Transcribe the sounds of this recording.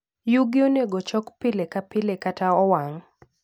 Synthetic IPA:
juɡɪoneɡot͡ʃɔkpɪlekapɪlekataɔwaŋ

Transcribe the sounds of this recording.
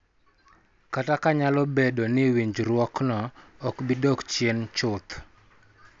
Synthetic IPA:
katakaɲalɔbedonɪwiɲd͡ʒɾwɔknɔːkbidɔkt͡ʃjent͡ʃʊt̪

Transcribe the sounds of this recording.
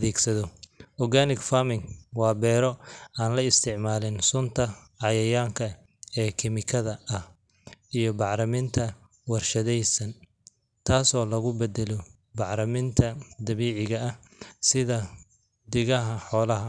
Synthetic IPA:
ɐðɛːɡsɐðɔʔɔɣaːnɪɡfamɪŋwɑːbɛːɾɔaːnlɐɪst̪ʰɪʕmaːlɪnsʊnt̪ʰɐʕɑjɐjaːŋkʰɐ | ɛːkʰɪmɪkʰɐðɐʔɐh | ijɔbɑʕɾɐmɪnt̪ʰɐ | wɑrʃɐðɛjsɐn | t̪ʰaːsɔːlɐɣʊbɛd̪ɛlɔ | bɑʕɾɐmɪnt̪ʰɐd̪ɐβiːʕɪɣɐɐ | sɪðɐ | d̪ɪɣɐɦɐħɔːlɐɦɐ

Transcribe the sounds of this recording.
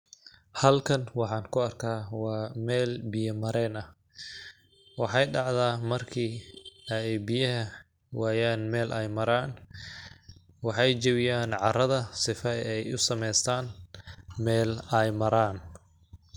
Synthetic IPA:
hɐlkʰɐnwɑħɑːŋkʰʊɐrkʰaːwɑːmɛːlbɪjɐmɐɾɛːnɐh | wɑħɑjɖɑʕðaːmɐrkʰiː | jbɪjɐɦɐ | waːjaːnmɛːlʔɛjmɐɾaːn | wɑħɑjd͡ʒɐwɪjaːnʕɑrɐðɐsɪfɐɛjʊ̰sɐmɛjst̪ʰaːn | mɛːlɛjmɐɾaːn

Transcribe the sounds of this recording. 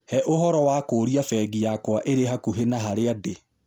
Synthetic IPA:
hɛʔoɦɔɾɔwakoɾiafɛɡijakwaʔeɾeɦakuɦenaɦaɾeade

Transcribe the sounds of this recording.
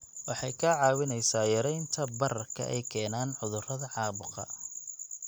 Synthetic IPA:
wɑħɑjkʰɐʕɑːwɪnɛjsaːjɐɾɛjnt̪ʰɐbɐɾɐrkʰɐ̰ʔɛ̰jkʰɛːnaːnʕʊðʊrɐðɐʕɑːβʊqɐ̰

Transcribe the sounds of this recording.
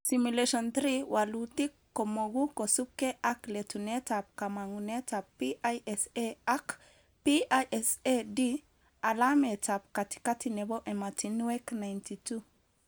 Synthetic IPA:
simuleʃɔnt̪ɾiwalutikːomoɡukosup̚keʔakletunetap̚kamaŋunetapːiʔajɛseak | piajʔɛsedi | alametap̚kati̥katinɛbɔʔɛmatinuwɛknajntitu

